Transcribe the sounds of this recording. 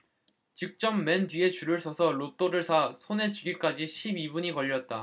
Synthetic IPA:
t͡ɕik̚t͡ɕ͈ʌmːendɥie̞t͡ɕuɾɯɭsʰʌsʰʌɾot͈oɾɯɭsʰasʰone̞t͡ɕiɡik͈ad͡ʑiɕʰibibuɲikʌʎːʌt̚t͈a

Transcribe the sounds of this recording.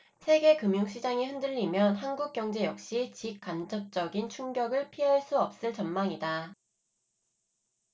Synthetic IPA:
sʰe̞ɡe̞kɯmjuŋɕʰid͡ʑaŋihɯndɯʎːimjʌnɦanɡuk̚k͈jʌŋd͡ʑe̞jʌk̚ɕ͈it͡ɕik͈̚and͡ʑʌp̚t͡ɕ͈ʌɡint͡ɕʰuŋɡjʌɡɯɭpʰiɦaɭs͈uʌp̚s͈ɯɭt͡ɕʌnmaŋida

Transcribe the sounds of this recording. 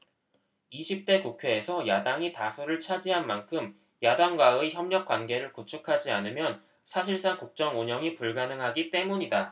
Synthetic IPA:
iɕʰip̚t͈e̞kukʰjeesʰʌjadaŋitasʰuɾɯɭt͡ɕʰad͡ʑiɦanmankʰɯm | jadaŋɡwaɯiçjʌmɲʌk̚k͈wanɡe̞ɾɯɭkut͡ɕʰukʰad͡ʑianɯmjʌn | sʰaɕʰiɭs͈aŋkuk̚t͡ɕ͈ʌŋuɲʌŋipuɭɡanɯŋɦaɡit͈e̞muɲida

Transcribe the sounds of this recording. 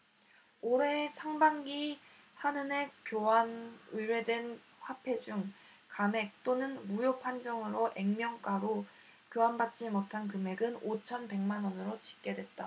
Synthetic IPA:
oɾe̞sʰaŋbaŋɡi | hanɯne̞kjoɦanɯɾwe̞dwe̞n | ɸapʰe̞d͡ʑuŋ | kame̞k̚t͈onɯnmujopʰand͡ʑʌŋɯɾoʔe̞ŋmjʌŋk͈aɾo | kjoɦanbat̚t͡ɕ͈imotʰankɯme̞ɡɯnot͡ɕʰʌnpe̞ŋmanʌnɯɾot͡ɕi̥k͈̚e̞dwe̞t̚t͈a

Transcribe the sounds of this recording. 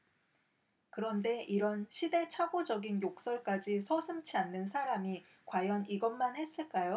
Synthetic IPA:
kɯɾʌnde̞ʔiɾʌnɕʰide̞t͡ɕʰaɡod͡ʑʌɡinjok̚s͈ʌɭk͈ad͡ʑisʰʌsʰɯmt͡ɕʰianːɯnsʰaɾami | kwajʌniɡʌnmanhe̞s͈ɯɭk͈ajo

